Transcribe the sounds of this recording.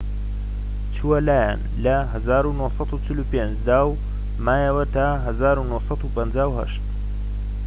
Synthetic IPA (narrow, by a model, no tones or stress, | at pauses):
t͡ʃʰuwɐlaːja̰n | lɐɦɐzaːɾunohsˤɑt̪ut͡ʃɪlupend͡ʒd̪aːw | maːjɐwɐt̪aːɦɐzaːɾunohsˤɑt̪upɐnd͡ʒaːwhɐ̰ʃt̪